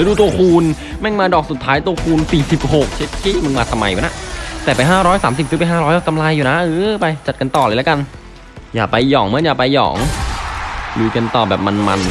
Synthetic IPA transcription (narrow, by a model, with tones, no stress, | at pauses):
a˧˦duː˧t̪̬u˧əkʰuː˧n | mɛ˥˩ŋmaː˧dɔː˨˩k̚su˨˩t̪ʰːaː˦˥jt̪u˧əkʰuː˧nsiː˨˩si˨˩p̚ho˨˩k̚t͡ɕʰe˦˥t̪̚kʰiː˥˩mɯ˧ŋmaː˧t̪ʰa˧mːa̰˧juː˨˩na˦˥ʔt̪ɛː˨˩pa˧jɦaː˥˩ɾɔː˦˥jsaː˩˦msi˨˩p̚sɯ˦˥pa˧ɦaː˥˩ɾɔː˦˥jʔɔ˧˩ka˧mla˧jːuː˨˩na˦˥ʔɯː˧˦pa˧jt͡ɕa˨˩t̪̚ka˧nt̪ɔː˨˩laː˧jla˦˥ka˧n | jaː˨˩pa˧jːɔ̰ː˩˦ŋmɯ˧˥˨njaː˨˩pa˧jːɔ̰ː˩˦ŋ | lɯː˧˩ka˧nt̪ɔː˨˩bɛː˨˩p̚ma˧nma̰˧n